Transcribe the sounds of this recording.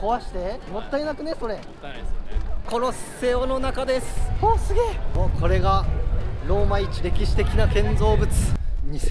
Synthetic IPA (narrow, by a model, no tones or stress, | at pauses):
ko̞βaɕi̥t̪e̞mo̞t̪ːainakɯ̟ne̞so̞ɾe̞ | ko̞no̞sse̞ono̞nakad̪e̞sɨ̥oːsɨɡʲeokʰo̞ɾe̞ɡaɾo̞ːmait͡ɕiɾe̞kʲiɕi̥t̪e̞kʲinakẽ̞nd͡zo̞ːbɯ̟t͡sɨ̥ɲi